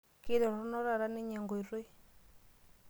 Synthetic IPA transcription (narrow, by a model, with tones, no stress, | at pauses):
ki˦ɾɔ˨ɾɔ˦nɔ˦ɾa˨ɾa˦nɛ˦ɲa˨ŋɡɔ˨i˨ɾwe˦